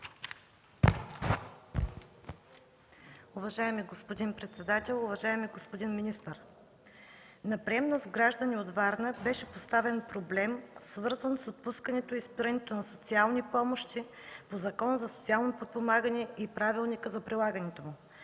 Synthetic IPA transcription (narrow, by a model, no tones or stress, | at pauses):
uvɐʒaɛmiɡospod̪inpɾɛt̪sɛd̪at̪ɛlˠʊvɐʒaɛmiɡospod̪inminist̪əɾ | nɐpɾiɛmnəzɡɾaʒd̪ənʲiod̪vaɾnəbɛʃɛpost̪avɛnpɾoblɛmsvɤɾzənsot̪̚puskənɛt̪oispiɾɐnɛt̪onɐsot̪sialˠnipɔmoʃt̪i | pozɐkɔnəzɐsot̪sialˠnopot̪̚pomaɡənɛipɾavilˠnikəzɐpɾilˠaɡənɛt̪omʊ